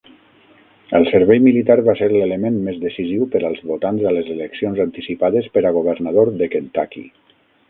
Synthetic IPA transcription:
əlˠsəɾβɛjmilit̪aɾβaseɾleləmenmezðəsiziwpəɾalˠzβot̪anzələzeləksionzant̪isipaðəspəɾaɣ̞uβ̞əɾnað̞oɾðəkent̪a̰kḭ

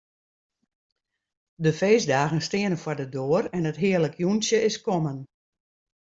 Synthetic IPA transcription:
dəfeːsdaːɣənstɪənəfwardədoərɛnətɦɪːələkʰjunsjəɪskɔmən

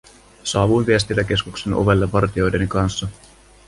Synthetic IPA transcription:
sɑːʋunʋiest̪ilːæke̞skukse̞no̞̰ʋe̞lːeʋɑrt̪io̞jdenikɑnsːɑ

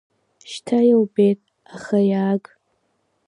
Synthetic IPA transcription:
ʃtʰajawbejtʼ | aχajaːɡʼ

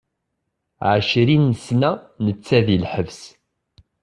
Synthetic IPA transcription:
ʕəʃɾinːəsnæ | nət͡sːæðilħəvs

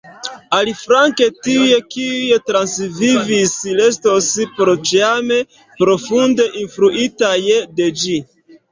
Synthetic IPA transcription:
alifɾaŋke̞tie̞kijetɾansvivisile̞stospɾo̞t͡ʃeame̞ | pɾo̞funde̞ʔinfɾuʔitajded͡ʒi

